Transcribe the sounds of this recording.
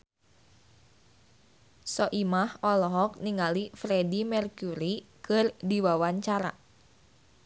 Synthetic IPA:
sɔʔimahɔlɔɦɔk̚niŋalifɾedimɛrkuɾikɨrdiwawaɲt͡ʃaɾa̰

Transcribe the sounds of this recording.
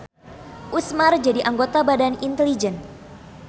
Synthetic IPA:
ʔusmard͡ʒadiʔaŋɡot̪abadanint̪ɛlid͡ʒɛn

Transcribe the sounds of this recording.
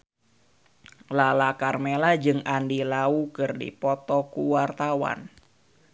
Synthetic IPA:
lalakarmelad͡ʒɨŋandilaukɨrdḭpɔt̪ɔkuwart̪awa̰n

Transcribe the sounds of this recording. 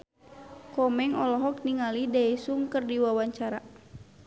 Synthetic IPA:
kɔmɛŋɔlɔɦɔk̚niŋalidaisuŋkərdiwawaɲt͡ʃaɾa

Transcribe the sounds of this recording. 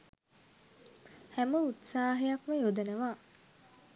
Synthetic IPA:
hæməut̪saːɦejakməjod̪ɐnəʋaː

